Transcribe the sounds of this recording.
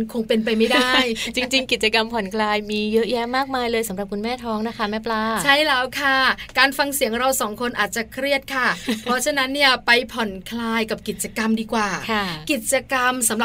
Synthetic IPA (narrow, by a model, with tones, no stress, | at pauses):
nkʰo˧ŋpe˧np̬a˧jma˥˩jdaː˥˩jt͡ɕi˧ŋt͡ɕi˧ŋki˨˩t̪̚t͡ɕa˧ka˧mpʰɔ˨˩˦nkʰlaː˧jmiː˧jɤ˦˥ʔjɛ˦˥maː˥˩k̚maː˧jlɤː˧jsa˩˦mɾa˨˩p̚kʰu˧nmɛː˥˩t̪ʰɔː˦˥ŋna˦˥kʰa˦˥ma˦˥˩plaː˧˩t͡ɕʰa˥˩jlɛː˦˥wkʰa˥˩kaː˧nfa˧ŋsi˨˩˦əŋɾa˧wsɔː˩˦ŋkʰo˧nʔaː˨˩t̪̚t͡ɕa˨˩kʰɾi˥˩ət̪̚kʰa˥˩pʰɾɔ˦˥t͡ɕʰa˧na˦˥nːi˥˩əpa˧jpʰɔ˨˩˦nkʰlaː˧jka˨˩p̚ki˨˩t̪̚t͡ɕa˧ka˧mdiː˧kwaː˨˩˧ki˨˩t̪̚t͡ɕa˧ka˧msa˨˩˦mɾa˨˩